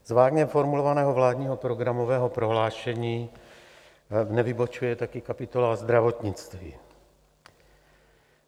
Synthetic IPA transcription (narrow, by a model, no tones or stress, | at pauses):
zvaːɡɲɛmfoɾmulovanɛːɦovlaːdɲiːɦopɾoɡɾamovɛːɦopɾo̞ɦlaːʃɛɲiː | nɛvɪbot͡ʃujɛt̪akɪkapɪt̪olazd̪ɾavot̪ɲɪt͡st̪viː